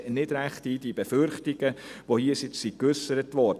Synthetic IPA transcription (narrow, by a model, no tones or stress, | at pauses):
nɪd̥ɾæχtiːd̥ib̥efʏɾχtɪɡ̥əʋohiːəsɪt͡ssikʉsəɾətʋɔrd